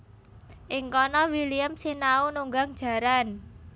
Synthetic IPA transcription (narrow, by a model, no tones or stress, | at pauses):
ʔɪŋkɔnɔwiliəmsinaunuŋɡaŋd̥ʒ̥ä̤ɾan